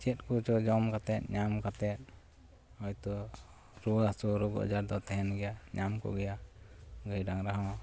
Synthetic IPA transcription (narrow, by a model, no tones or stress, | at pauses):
t͡ʃɛt̪̚kut͡ʃɔd͡ʒɔmkat̪ɛt̪̚ɲamkat̪ɛt̪̚ | hɔjt̪ɔ | ɾuasuɾɔɡɔ̰ʔd͡ʒaɾd̪ɔt̪ɛɦɛnɡɛjaɲamkɔ̰ɡɛjaɡəjɖaŋɾaɦɔ̃